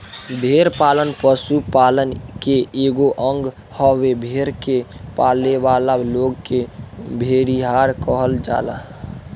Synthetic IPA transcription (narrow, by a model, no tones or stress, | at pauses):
bʱeːɾpaːlənpəsupaːlənkeeːɡoʔə̃ŋɡ | hɔwebʱeːɾkepaːleʋaːlaloːɡkebʱeɾiɦaːɾkəɦəld͡ʒa̰ːla̰